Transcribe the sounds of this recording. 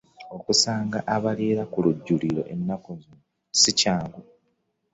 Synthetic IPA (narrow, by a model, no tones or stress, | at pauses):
o̞kusaːŋɡaʔaβaleːɾakuluɟːuliɾo̞̰ʔenːakuzunu | sicaːŋɡu